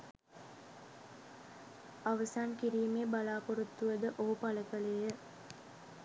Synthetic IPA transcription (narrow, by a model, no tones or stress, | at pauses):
aʋəsaːnkiɾiːmeːbalaːpoɾut̪ːuʋəd̪əʔoːpaləkəlejə